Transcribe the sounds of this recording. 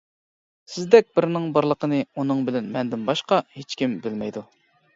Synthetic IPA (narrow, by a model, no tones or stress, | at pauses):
sɪzd̪ɛk̚ʲbɪɾnɪŋbɑɾlˠəqʰənɨunɨŋbɪlɛnmɛnd̪ɪnbɑʃqɑhet͡ʃkʲimbɪlmɛjd̪u